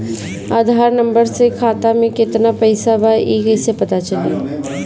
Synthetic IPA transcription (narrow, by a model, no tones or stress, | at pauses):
aːd̪ʱaːɾnɐ̃mbəɾsekʰaːt̪amẽkɪt̪napɐɪsabaeːkɛsepɐt̪at͡ʃɐlḭː